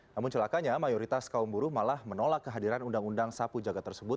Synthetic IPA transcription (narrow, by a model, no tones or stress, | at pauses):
namʊnt͡ʃəlakaɲamajoɾit̪askaumbuɾumalahmənolakːəɦadiɾanundaŋundaŋsapud͡ʒaɡat̪ːərsəbʊt̪̚